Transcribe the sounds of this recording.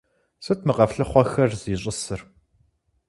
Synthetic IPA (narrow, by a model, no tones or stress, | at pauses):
sɨtmɨqɐfɬɨχʷɔxɐrz̥iːɕʼɪsɨr